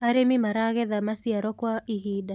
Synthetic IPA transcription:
aɾɛmimaɾaɣɛðamasiaɾɔkwaʔiɦida

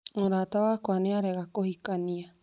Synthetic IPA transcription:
ũɾat̪aβakʷaneaɾeɣakohikania

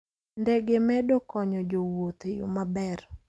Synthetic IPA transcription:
ndɛɡemɛdɔkɔɲɔd͡ʒowot̪ejʊ̰mabɛɾ

